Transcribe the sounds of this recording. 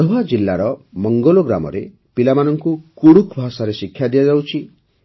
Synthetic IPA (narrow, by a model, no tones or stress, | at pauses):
ɦad͡ʒilːaɾɔmɔŋɡolɔɡɾa̰mɔ̰ɾe | pilamanɔŋkukuɽukʰbʱasaɾesikʰːjad̪iad͡ʒawt͡ʃʰi